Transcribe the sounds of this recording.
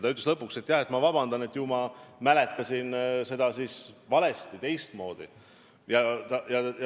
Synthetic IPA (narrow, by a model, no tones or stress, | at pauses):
t̪ɑyt̪̬ːˑleslɤpːˑukse̞t̪ːˑjɑhet̪mɑvɑb̥ɑnd̪̥ɑne̞t̪ːˑjumɑmæle̞t̪ːˑɑsinse̞d̪ɑsisvɑle̞st̪it̪e̞jst̪mo̞ːd̪̥ḭ | jɑt̪ɑjɑ